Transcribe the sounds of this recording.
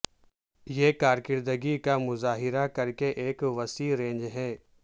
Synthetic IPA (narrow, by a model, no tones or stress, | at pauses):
jeːkaːɾkɪɾd̪əɡikamʊzaːɦɪɾakɐɾkeʔeːkʋɐsiːɾẽːɲd͡ʒɦɛː